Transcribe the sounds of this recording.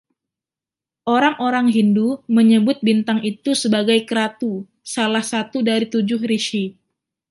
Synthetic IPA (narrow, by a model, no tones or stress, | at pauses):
ʔoɾaŋoɾaŋɦinduməɲəbʊt̪̚bint̪aŋit̪usəbaɡajkəɾat̪u | salahsat̪udaɾit̪ud͡ʒʊhɾiʃi